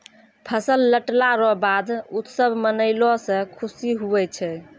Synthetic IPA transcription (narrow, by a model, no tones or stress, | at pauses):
pʰəsəlːəʈlaɾɔbad̪ut̪səbʱmənəɪlɔsə̃kʰusiɦuɛt͡ʃʰɛ